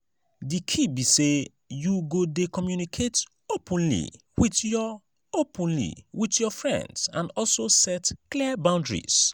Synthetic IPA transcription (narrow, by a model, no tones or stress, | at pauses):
dikʰibise | juɡodekɔmjunikʰet | opũnlḭ | witjɔ | opʰũnlḭwitjɔfɹɛ̰̃ndsã̰nɔlsosɛtklibãʊ̃ndɹḭs